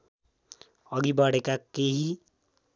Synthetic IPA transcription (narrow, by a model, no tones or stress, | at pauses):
ʌɡibaɽekakeɦi